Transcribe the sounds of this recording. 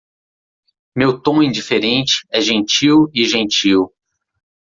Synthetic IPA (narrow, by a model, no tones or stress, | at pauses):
mewt̪õĩd͡ʒifeɾẽnt͡ʃɪ̥ɛʒẽnt͡ʃiwɪʒẽnt͡ʃiw